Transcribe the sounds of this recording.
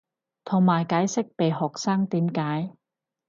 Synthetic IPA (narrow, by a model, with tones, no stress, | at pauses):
t̪ʰʊ˨˩ŋmaː˨˩jkaː˨˥jsɪ˥k̚pe˨jhɔː˨k̚saː˥ŋt̪iː˨˥mkaː˨˥j